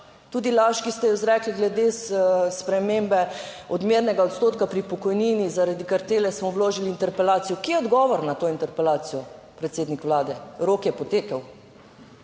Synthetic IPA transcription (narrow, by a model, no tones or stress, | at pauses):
t̪uːd̪ilaːʃkist̪ɛjɔzɾɛkliɡlɛd̪esspɾɛmembɛ | ɔd̪meːɾnɛɡaot̪st̪oːt̪kapɾipɔkɔjniːnizaɾad̪ikaɾt̪eːlɛsmɔwloːʒiliːnt̪ɛɾpɛlaːt̪sijɔkiːjɛɔd̪ɡɔːʋɔɾnat̪oːint̪ɛɾpɛlaːt̪sijɔ | pɾɛt̪seːd̪nikʋlaːd̪ɛɾoːkjɛpɔt̪eːkəw